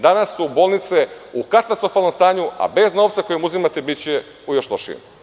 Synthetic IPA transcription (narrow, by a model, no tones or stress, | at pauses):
d̪anasːubo̞ːlˠnit̪seukat̪ast̪ɾo̞falno̞mst̪aːɲua̰be̞zno̞ːʋt̪sako̞jimuzimat̪ebitt͡ɕe | ujoʃlˠoʃḭm